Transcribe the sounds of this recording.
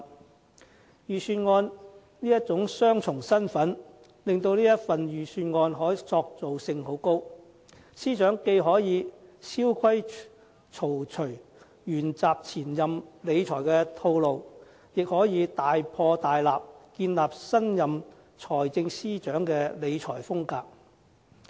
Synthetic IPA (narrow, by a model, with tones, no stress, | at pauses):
jyː˨˧syː˧nŋɔː˧n | niː˥jɐ˥t̚t͡sʊ˨˥ŋsœː˥ŋt͡sʰʊ˨˩ŋsɐ˥nfɐ˨˥n | lɪ˨ŋt̪o˧wniː˥jɐ˥tfɐ˨njyː˨˩syː˧nŋɔː˧nɦɔː˨˥jt͡sɔː˧k̚t͡so˨wsɪ˧ŋɦo˨˥wko˥w | siː˥t͡ʃœː˨˥ŋke˧jɦɔː˨˥jiː˨˧siː˥wkʷʰɐ˥j | t͡ʃʰo˨˩wt͡ʃʰɵ˨˩ɥ | jyː˨˩nt͡saː˨p̚t͡sʰiː˨˩njɐ˨mle˨˧jt͡ʃʰɔː˨˩jkɛː˧t̪ʰo˧wlo˨w | jɪ˨k̚hɔː˨˥jiː˨˧t̪aː˨jpʰɔː˧t̪aː˨jlaː˨p̚kiː˧nlaː˨p̚sɐ˥njɐ˨m | t͡ʃʰɔː˨˩jt͡sɪ˧ŋsiː˥t͡ʃœː˨˥ŋkɛ˧le˨˧jt͡ʃʰɔː˨˩jfʊ˥ŋkaː˧k̚